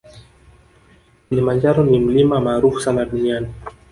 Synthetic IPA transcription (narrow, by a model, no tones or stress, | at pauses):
kilimand͡ʒaɾɔnim̩limamaːɾufu̥sanaɗuniani